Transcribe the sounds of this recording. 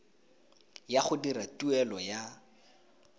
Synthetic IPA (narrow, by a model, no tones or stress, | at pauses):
jaχʊdiɾatuɛlɔja